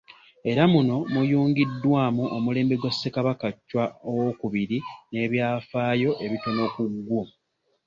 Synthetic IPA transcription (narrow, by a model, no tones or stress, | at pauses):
e̞ɾamuno̞mujuːŋɡidːwaːmuʔomule̞ːmbeɡwasːe̞kaβakacːwaowo̞kuβiɾine̞ːβjaːfaːjo̞ʔe̞βito̞no̞kuɡːo